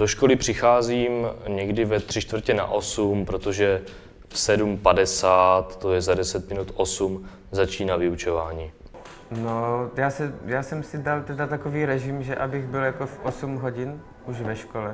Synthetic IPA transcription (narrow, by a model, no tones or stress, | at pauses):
d̥oʃkolɪpr̝̥ɪxaːziːmɲɛɡdɪvɛt̪r̝̥ɪt͡ʃt̪vr̩cɛna̰ʔo̞sumpɾot̪oʒɛ | fsɛdumpadɛsaːt̪ːojɛzadɛsɛt̪̚mɪnut̪ʔosum | zat͡ʃiːnavɪut͡ʃovaːɲiː | nojaːsɛjaːsɛmsɪdalt̪ɛdat̪akoviːɾɛʒɪmʒɛʔabɪɣbɪljakofʔosumɦoɟɪn | ʔuʒvɛʃkolɛ